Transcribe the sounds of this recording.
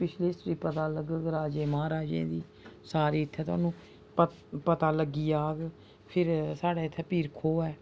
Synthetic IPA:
pɪt͡ʃʰleːsɾiːpət̪aːləɡɾaːd͡ʒeːmãːɾaːd͡ʒḛ̃ːd̪iː | saːɾiːɪt̪ʰːɛːt̪ʊa̰ːnũː | pə | pət̪aːləɡːiːaːɡ | pʰɪɾsaːɽaːɪt̪ʰːɛːpiːɾkʰoːɛː

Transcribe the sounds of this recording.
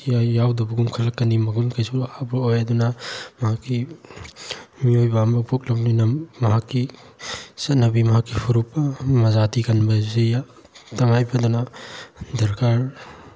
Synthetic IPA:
jajawdɐbɐɡumkʰɐlɐkːɐnimɐɡunkʰajsuahabɐojɐdunɐmɐɦakːi | miojbambɐbʰuk̚lɐbnijnɐmɐɦakːi | sɐt̚nɐbimɐɦakːipʰuɾupːɐmɐzatiɡɐnbɐseja | tɐŋajbɐduna | dɐɾkʰaɾ

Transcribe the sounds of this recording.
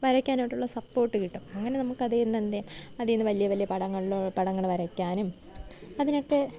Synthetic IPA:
ʋɐɾɐkʲːaːnɐiʈːuɭːɐsɐpːo̞ːrʈːɨkiʈːumɐŋːɐne̞nɐmukːɐðejunːend̪ejɐðijnːɨʋɐlijɐʋɐlijɐpɐɽɐŋːɐɭopɐɽɐŋːɐɭʋɐɾɐkʲːaːnum | ɐðineʈːe

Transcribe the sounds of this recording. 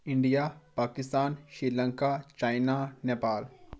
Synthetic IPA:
ɪ̃ɳɖijapaːkɪst̪aːnʃɾiːlə̃ŋkat͡ʃaːɪnaneːpaːl

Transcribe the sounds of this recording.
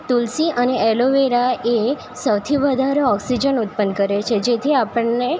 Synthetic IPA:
t̪ulsiəneɛloʋeɾaʔe | səwt̪ʰiʋəd̪ʱaɾeɔksid͡ʒənut̪̚pənkəɾet͡ʃʰed͡ʒet̪ʰiapəɳe

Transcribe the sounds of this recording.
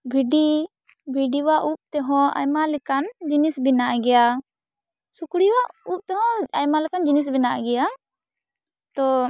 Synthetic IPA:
bʱiɖi | bʱiɖiwaʔup̚t̪ɛɦɔ̃a̰jmalɛkand͡ʒinisbinaʔɡɛja | sukɽiwaʔup̚t̪ɛɦɔ̃ajmalɛkand͡ʒinis̬binaʔɡɛja | t̪ɔ

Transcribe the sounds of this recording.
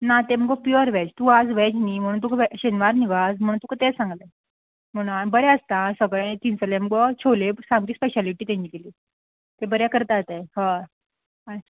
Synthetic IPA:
nat̪em̤əɡɔpjɔɾʋɛd͡ʑt̪uad͡zʋɛd͡ʑnim̤əɽ̃ũnt̪ukʋɛɕenʋaɾniʋad͡zm̤əɽũnt̪ukət̪esãŋɡle | m̤əɽ̃ũnabəɾjaəst̪ãsəɡɭẽt̪iːnt͡səlɛm̤əɡɔt͡ɕʰolesãmɡɾiːspɛɕaliʈiːt̪ãɲiːkeliː | t̪ebəɾjakəɾt̪at̪eɦã | a

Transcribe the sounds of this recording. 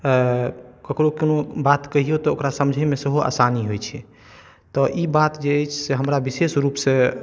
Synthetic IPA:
kəkɾokenobat̪kəɦijot̪ɔokɾasəmd͡ʒʱəjmesəɦoa̰saniɦojt͡ʃʰɛ | t̪ɔʔibat̪d͡ʒeːjt͡ʃʰseɦəmɾabisesɾupsẽ

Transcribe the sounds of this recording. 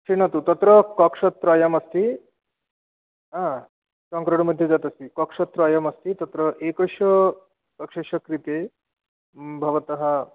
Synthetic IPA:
siñɐt̪ut̪ɐt̪ɾəkɔkʂɐt̪ɾajɐmɐst̪i | ɦã | sɐŋkɾɐɽ̃mɐd̪ʱjed͡zat̪ɐst̪ikɔkʂɐt̪ɾajɐmɐst̪it̪ɐt̪ɾəʔekɐɕɔ | kɐkʂɐɕɐkɾit̪e | bʱɐʋɐt̪ɐɦa

